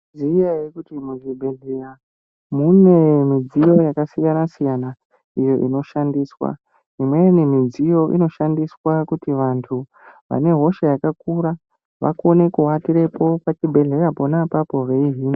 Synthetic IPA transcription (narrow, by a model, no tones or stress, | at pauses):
ijaikutimud͡ʒibʱe̞ɮera | mune̞mid͡zijo̞jakasijanasijana | ijo̞ʔino̞ʃandiswa̰ | mimwe̞nemid͡zijo̞ʔḭno̞ʃandiswakutiʋantʰu | ʋa̰ne̞ɦo̞ʃejakak̚uɾa | ʋa̰kone̞kuwatiɾe̞pʰo̞pat͡ʃibʱe̞ɮe̞ɾapo̞napapo̞ʋeiɦiːni